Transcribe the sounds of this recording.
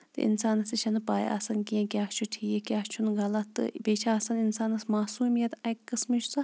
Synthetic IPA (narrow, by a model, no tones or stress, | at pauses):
t̪ɨ̰ʔḭnsaːnɐsit͡ʃʰɐnɨpaːj̰ɐ̰sɐnkiẽkʲjaːkt͡ʃʰuʈʰiːjekʲaːkt͡ʃʰunɡɐlɐt̪ːɨ̰beːt͡ʃʰaɐsɐninsaːnɐsmaːsuːmijɐt̪ɐjkːɨsmiʃsɐ